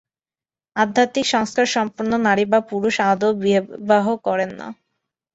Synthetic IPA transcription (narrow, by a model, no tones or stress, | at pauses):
ad̪ʱːat̪ikʃɔŋskaɾʃɔmpoɾnonaɾibapuɾuʃad̪obibaɦokɔɾenːa̰